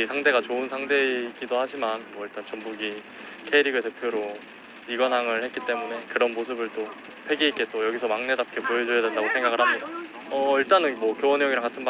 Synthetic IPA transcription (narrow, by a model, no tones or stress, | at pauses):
sʰaŋde̞ɡat͡ɕoɯnsʰaŋde̞ik͈idohad͡ʑimanmwʌiɭt͈ant͡ɕʌmbuɡi | kʰe̞iɾiɡɯɭte̞pʰjoɾo | iɡʌnɦaŋɯɭhet̚k͈it͈e̞mune̞kɯɾʌnmosʰɯbɯɭt͈o | pʰe̞ɡiik͈e̞t͈ojʌɡisʰʌmaŋne̞dap̚k͈e̞pued͡ʑojʌde̞ndaɡosʰe̞ŋɡaɡɯɭhamɲida | ʌiɭt͈anɯnmwʌkjowʌnejoŋiɾaŋk͈atʰɯnba